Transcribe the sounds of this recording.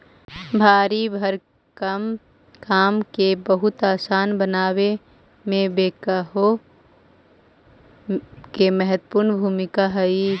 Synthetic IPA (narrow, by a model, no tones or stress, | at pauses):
bʱaːɾibʱəɾ | kəm | kaːmkebəɦʊt̪aːsaːnbənaːwe | mẽbeːkaɦo | kemɛɦət̪puɾnbʱuːmɪkaɦəi